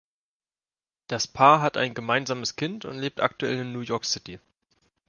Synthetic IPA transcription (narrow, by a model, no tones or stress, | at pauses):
d̥aspʰaːɐɦata̰ɪnɡəmaɪnzaːməskʰɪntʊ̰ntleːp̚tʔa̰k̚tuɛlɪnːuːjɔɐksɪti